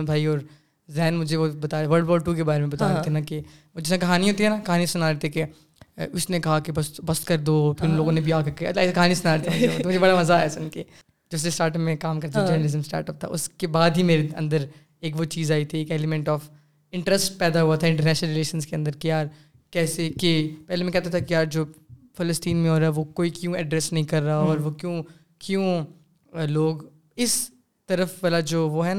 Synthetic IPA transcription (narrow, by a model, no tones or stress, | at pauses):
bʱaːiɔːɾ | zɛɦːnmʊd͡ʒʱeʋobɐt̪aːʋɐɾlɖbɔːɖʈuːk̬ebaːɾemẽbɐt̪aːeɦɛnake | od͡ʒɪsẽkɐɦaːniɦoːt̪iɦɛnakɐɦaːnisʊnaːɾɛɦt̪eɛke | ʊsnekɐɦakebɐst̪bɐst̪kɐɾd̪opʰɪɾloːɡõnebʱiaːkɐɾkɐ̰t̪lasekɐɦaːnisʊnaɾeɦt̪eɛmʊd͡ʒeot̪mʊd͡ʒʱebɐɽamɐzaɛːsʊnke | d͡ʒɐbs̬esʈaːɾʈəpmẽkaːmkɐɾt̪ʰed͡ʒɐːɾnəlɪzə̃msʈa̰ːɾʈəp̚t̪ʰa̰ʊ̰skebaːd̪ɦimeːɾeɐ̰̃nd̪əɾ | eːkʋot͡ʃiːzaːit̪ʰieːkɛːlɪmɛ̃ɳʈɔːf | ɪ̃ɳʈɾəsʈpɛːd̪aɦuat̪ʰaɪ̃ɳʈəɾnɛːʃnəlɾɪleːʃənskeɐ̃nd̪əɾkijaːɾ | kɛːsekepɛɦlemɛ̃kɛɦt̪at̪ʰakijaːɾd͡ʒoːfɪləsʈiːnmẽoːɾaɦɛʋokoːikjũːɛɖɾɛːsnɐɦĩkɐɾːaɦaɔːɾʋokjõː | kjõː | loːɡ | ɪs | t̪ɐɾəfʋalad͡ʒoːʋoɦɛna